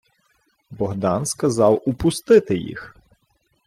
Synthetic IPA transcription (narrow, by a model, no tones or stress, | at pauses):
bɔɦd̪ɑnskɐzɑwʊpʊst̪ɪt̪ɪjḭx